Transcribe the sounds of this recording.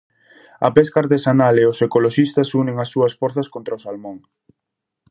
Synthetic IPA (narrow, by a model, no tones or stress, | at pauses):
ɐ̰pɛskaːɾt̪esanaleʊsekoloʃist̪ɐsunẽŋɐsːuɐsfɔɾθɐskont̪ɾaosalmõŋ